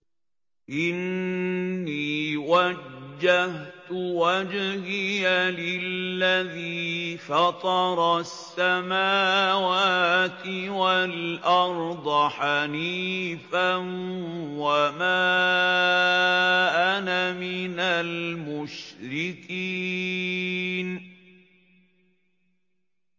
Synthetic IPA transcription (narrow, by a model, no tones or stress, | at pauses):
ʔɪnː | iːwad͡ʒd͡ʒːaht̪ʊwad͡ʒɣɪjalɪlːaðiːfɑt̪ˤɑɾˤɑsːamaːwaːt̪ɪwalʔɑɾˤd̪ˤɑħaniːfanwamaː | ʔanamɪnalmʊʃɾɪkiː | n